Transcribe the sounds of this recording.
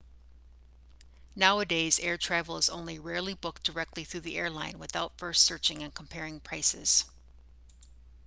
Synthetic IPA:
naʊɨdeɪzɛɹtʰɹ̥ævl̩ˠəzõ̰ʊ̃nliɹɛɹlˠibʊk̚d̥ə˞ɛk̚tʰˡliθɹʉðiʔɛɹlãɪ̃nwɨθaʊtfɜ˞stsɜ˞t͡ʃɪ̃ŋɨ̃nkʰm̩pʰɛɹɪ̃ŋpʰɹ̥aɪsɪ̰z̥

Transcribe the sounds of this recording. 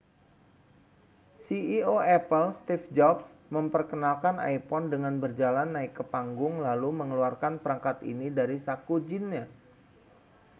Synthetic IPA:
siioɛpəlst̪ifd͡ʒɔpsməmpərkənalkanʔa̰jpɔndəŋanbərd͡ʒalanːaɪkːəpaŋɡʊŋlaluməŋəluarkanpəɾaŋkat̪ḭnidaɾisakud͡ʒinɲa

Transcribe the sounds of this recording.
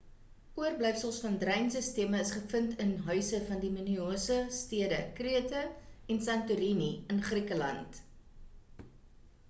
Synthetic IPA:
uərblɛjfsəlˠsfɐndrɛjnsəstiəməːsχəfəntənɦœɥsəfɐndimənyoːsəstiədəkriətəɛnsɐntuɾiniənχrikəlɐ̰nt

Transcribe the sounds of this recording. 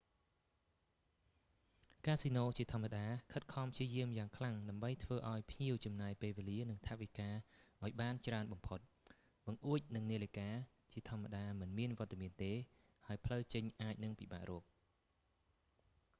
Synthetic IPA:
kaːsinoːt͡ɕiət̪ʰŏəmːaɗaːkʰət̪̚kʰɑmpʰjiəjiəmjaːŋkʰlaŋɗaəmɓəjt̪ʰʋəːʔaɔjpʰɲiəwt͡ɕɑmnaːjpeːlʋeːliənɨŋt̪ʰaʔʋikaːʔaɔjɓaːnt͡ɕraənɓɑmpʰot̪̚ | ɓɑŋʔuəc̚nɨŋniəlikaː | t͡ɕiət̪ʰŏəmːaɗaːmɨnmiənʋŏət̪̚ːamiənt̪eː | haəjpʰləwt͡ɕəɲʔaːc̚nɨŋpiɓa̰ːʔrɔək̚

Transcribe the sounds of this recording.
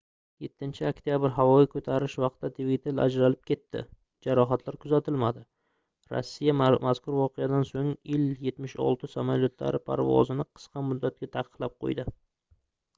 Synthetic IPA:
je̞t̪ʰːɪnt͡ʃʰɪakt̪ʰijabɪɾɦavɒjɪkʰɵt̪ʰaɾɪʃvɑq̚t̪ːat̪ʰvit̪ʰela̰d͡ʒɾalɪp̚kʲʰe̞t̪ʰːɪ̰ | d͡ʒaɾɒɦat̪ʰlaɾkʰʊzat̪ʰɪlmad̪ɪ | ɾɒ̰sːijamazkʊɾvɒqʰɨjad̪ansoŋɪlje̞t̪mɪʃɒ̰lˠt̪ʰɪsamaljot̪ʰla̰ɾɪpʰa̰ɾvɒ̰zɪnɪqʰɨ̥sqʰɑmʊd̪ːat̪̚ɡʲat̪ʰaqʰə̥qlˠap̚qʰo̰jd̪ɪ

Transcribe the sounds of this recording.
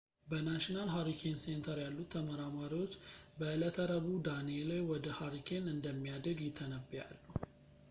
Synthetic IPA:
bənaʃinalɦaɾikʰense̞nt̪ʰəɾjalːut̪ʰːəməɾamaɾiwo̞t͡ʃːbəɨlət̪ʰəɾəβud̪anelajwɔd̪əhaɾikʰenɨnd̪əmːijad̪ɾəɡjɪt̪ʰːənəbija̰lːu

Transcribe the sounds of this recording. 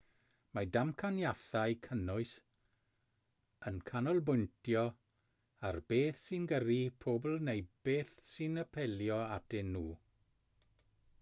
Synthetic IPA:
madamkʰanjaθajkʰənʊɨs | ənkʰanɔlˠbʊjntʰjɔ | arbeːθsinɡəripʰoːbl̩ˠnejb̥eːθsinəpʰɛljɔadɪnːuː

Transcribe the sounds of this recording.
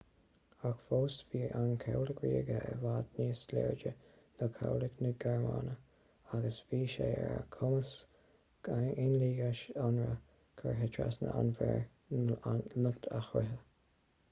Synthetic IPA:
axfoːsviːʔankʰawlɪkɹiːɡəɛ̰vaːd̪niːslɛ̰ːɹd͡ʒə | nəkʰawlɪknəɡɛɹmaːnə | aɡəsviːʃeːɛɹə̰kʰʊməs | aɪnliːɡaʃanɹə | kʰəɹɦɪtʰɹa̰snə̰ʔanvɛɹ | lʊkt̪ʰaxɾɪɦə

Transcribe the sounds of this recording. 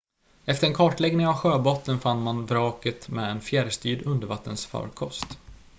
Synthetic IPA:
ɛft̪əɾɛnkʰɑːʈlɛɡnɪŋavɧøːbɔt̪ːənfanːmanvɾɑːkət̪mɛːɛnfjæɾst̪yːɖɵnd̪əɾvat̪ːənsfœ̰ːɾkʰɔst̪

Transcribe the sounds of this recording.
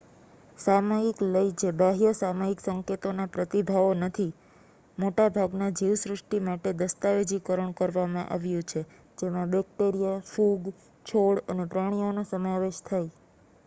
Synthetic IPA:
samaikləid͡ʒeɖəɦjəsamaiksəŋket̪onapɾət̪ibʱaʋonət̪ʰi | moʈabʱaɡnad͡ʒiʋsɾəʂʈimaʈed̪əst̪aʋed͡ʒikəɾəɳ̃kəɾʋamãʔa̰ʋjũt͡ʃʰe | d͡ʒemãbɛk̚ʈeɾijafuɡ | t͡ʃʰoɭənepɾaɽ̃ionusəmaʋeʃt̪ʰaj

